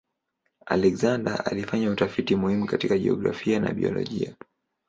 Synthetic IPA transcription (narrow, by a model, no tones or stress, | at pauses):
alɛkzanda̰alifaɲautafitimuhimukatikaʄɛɔɡɾa̰fiana̰ɓiɔlɔ̰ʄia